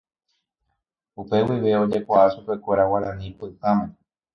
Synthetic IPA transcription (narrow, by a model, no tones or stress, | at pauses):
upe̞wiʋe̞o̞d͡ʒe̞kʷaʔaʃupe̞kʷeɾawaɾãnĩpɨt̪ãmẽ